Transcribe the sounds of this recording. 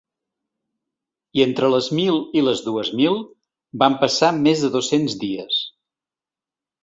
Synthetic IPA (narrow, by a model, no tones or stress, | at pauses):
ient̪ɾələzmilˠiləzðuəzmilˠ | bampəsamezðəðosenzdiəs